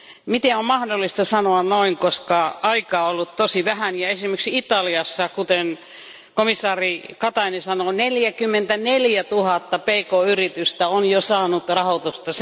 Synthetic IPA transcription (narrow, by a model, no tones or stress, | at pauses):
mit̪eommɑhdolːˑist̪ɑsɑnoɑnnoiŋkoskɑɑikɑːolːut̪t̪osiʋæhænjɑesimeksit̪ɑliɑsːɑkut̪en | komisːɑːrikɑt̪ɑinesɑnoneljækymːent̪æneljæt̪uhɑt̪ːɑpeikoyrit̪yst̪æonjosɑːnut̪rɑhot̪ust̪ɑs